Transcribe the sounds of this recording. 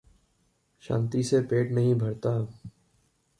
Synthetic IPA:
ʃã̰ːnt̪isepeːʈnɐɦĩbʱɐɾt̪aː

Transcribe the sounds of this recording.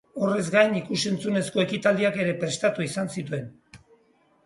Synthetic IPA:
o̞re̞zɡajnikusent͡sune̞sko̞e̞kit̪ald̪iake̞ɾe̞pɾe̞st̪at̪uisansit̪ue̞n

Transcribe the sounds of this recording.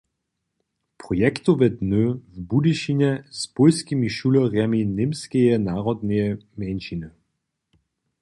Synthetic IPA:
pʁɔjɛkt̪uvɛdnøvbudiʃinɛspɔlskimiʃulɔʁjaminemskɛjɛnaːʁɔd̪nɛjɛmɛnʃinə

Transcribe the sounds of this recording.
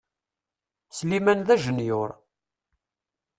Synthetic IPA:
slimænðæʒənjʊɾ

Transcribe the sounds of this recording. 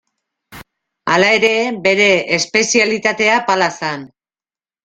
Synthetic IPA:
alae̞ɾe̞be̞ɾe̞espe̞sialit̪at̪e̞apalasan

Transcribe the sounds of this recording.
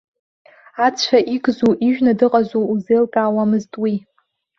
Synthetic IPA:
at͡ɕʷʰaʔiɡʼzuʔiʒᶣnadɨqʼazouzejlkʼaːwamɨztʼwi

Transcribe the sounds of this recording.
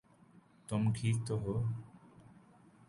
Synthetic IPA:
t̪omkʰit̪oɦo

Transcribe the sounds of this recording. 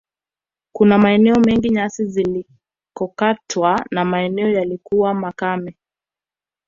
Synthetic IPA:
kunamaɛnɛɔmɛŋɡiɲasizili | kɔkatwanamaɛnɛɔjalikuwamakamɛ

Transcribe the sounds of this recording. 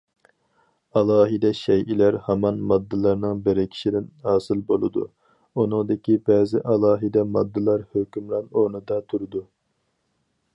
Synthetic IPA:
ɑlˠɑːɦid̪ɛʃɛjʔilæɾhɑmɑnmɑd̪ːɨlˠɑɾnɨŋbeɾɪkʲʰi̥ʃid̪ɪnhɑːsɨlˠbolˠɨd̪ṵ | unɨŋd̪ɪkʲibɛːzɪʔɑlˠɑːɦid̪ɛmɑd̪ːɨlˠɑɾhøkʲymlˠɑnonɨd̪ɑt̪ʰuɾɨd̪u

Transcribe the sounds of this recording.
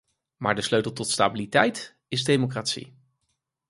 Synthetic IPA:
maːɹdəsløɥtəl̩ˠtɔtsta̰ːbilitɛjt | ɪzdejmokraːtsḭ

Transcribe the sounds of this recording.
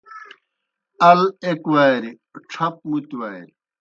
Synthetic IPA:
ɐlekwajɾi | ʈ͡ʂʰɐp̚mut̪wajɾi

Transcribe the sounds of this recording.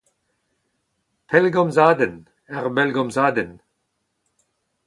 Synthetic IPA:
pʰɛlɡɔmzaːd̪ən | ɛʁbɛlɡɔmzaːd̪ən

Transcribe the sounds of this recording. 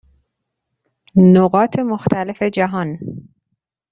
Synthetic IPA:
noɣɒːt̪ʰe̞moxt̪ʰæle̞fe̞d͡ʒæɦɒn

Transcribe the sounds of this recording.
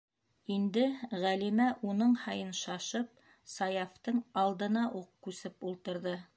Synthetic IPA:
ind̪ɘʁælimæʔunɤɴhɑjɤnʃɑʃɤp̚ | sɑjɑft̪ɤɴɑlˠd̪ɤ̆nɑʔuqkʉsɘpulˠt̪ɤ̆ɾðɤ

